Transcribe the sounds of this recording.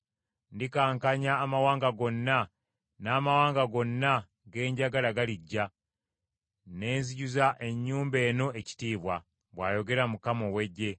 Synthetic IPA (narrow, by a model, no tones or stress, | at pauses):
ndikaːŋkaɲaːmawaːŋɡaɡo̞nːa | naːmawaːŋɡaɡo̞nːa | ɡe̞ːɲɟaɡalaɡaliɟːa | ne̞ːnziɟuzaʔe̞ɲːuːmbe̞ːno̞ʔeci̥tiːβwa | βwaːjo̞ɡe̞ɾamukamo̞we̞ɟːe̞